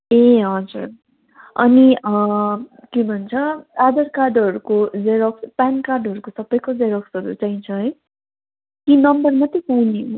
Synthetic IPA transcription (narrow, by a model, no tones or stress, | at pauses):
eɦʌd͡zur | ʌniʌ | kebʱʌnt͡sʰʌad̪ʌrkarɖʌɾukod͡zeɾʌkspankarɖʌɾukosʌbːʌjkod͡zeɾʌksɦʌɾṵt͡saĩt͡sʰʌɦʌj | kinʌmbʌrmʌt̪isawnio